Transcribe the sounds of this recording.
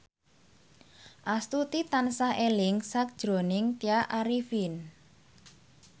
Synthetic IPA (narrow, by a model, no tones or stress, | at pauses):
ʔast̪ut̪it̪ansaelɪŋsak̚d̥ʒ̥ɾo̤nɪŋt̪iaʔaɾifin